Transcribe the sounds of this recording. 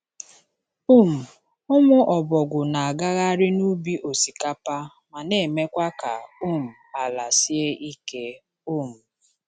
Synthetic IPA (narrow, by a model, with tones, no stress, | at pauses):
u˦m̩˨ | ʊ˦mʊ˦ʔɔ˨bɔ˨ɡʷʊ˨na˨a˨ɡa˦ɣa˦ɾɪ˦nu˦bi˦ʔo˨si˨ka˦pa˦ | ma˨ne˨me˦kʷa˦ka˨u˦˨m̩˨a˨la˨si˦e˦i˦ke˦ | u˦˨m̩˨